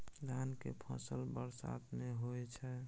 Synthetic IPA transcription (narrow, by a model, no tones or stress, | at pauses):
d̪ʱankepʰə̰səlbəɾsa̰t̪meɦoɛt͡ʃʰɛ